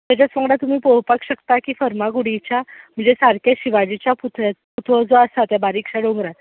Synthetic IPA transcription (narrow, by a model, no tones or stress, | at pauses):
t̪jat͡ɕat͡sʋəŋɡɽat̪um̤iːpoɦpakɕəkt̪akiːfəɾmaɡuɽit͡ɕam̤əɳd͡zesaɾkaɕiʋad͡ʑit͡ɕjaput̪ʰʋeput̪ʰʋəd͡zoəsat̪jabaɾiːkɕaɽoŋɡɾat̪